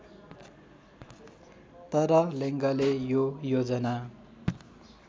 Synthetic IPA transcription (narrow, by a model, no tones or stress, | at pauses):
t̪ʌɾʌleŋɡʌlejojod͡zʌna